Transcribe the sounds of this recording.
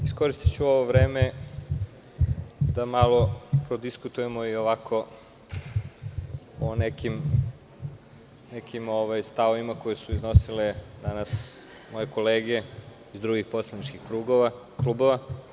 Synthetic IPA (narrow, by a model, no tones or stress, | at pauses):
isko̞ɾist̪i̥t͡ɕuo̞ʋo̞ʋɾeːme | d̪amalˠo̞pɾod̪iskut̪ujemo̞ioʋakʰo̞ | onɛkim | nɛkimoʋajst̪aoʋimakojesuizno̞siled̪anas | mo̞jeko̞leːɡe̞ | izd̪ɾuɡixpo̞slanit͡ʃkixkɾuːɡoʋa | kluboʋa